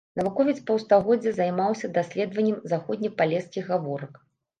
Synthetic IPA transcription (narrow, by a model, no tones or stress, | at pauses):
nɐvukɔvʲit̪spɐwst̪aɣɔd͡zʲːɛzajmawsʲɐd̪asʲlʲɛd̪vɐnʲːɛmzaxɔd̪ʲnʲipalʲɛskʲiɣɣavɔɾɐk